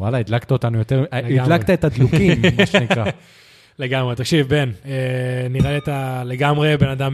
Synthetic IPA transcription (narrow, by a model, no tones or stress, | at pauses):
walaid̪lakt̪ao̞t̪anujo̞t̪eʁid̪lakt̪aetad̪lukimmaʃenikʁa | leɡamʁet̪ɐkʃivbeneniʁaliet̪aleɡamʁebe̞nad̪am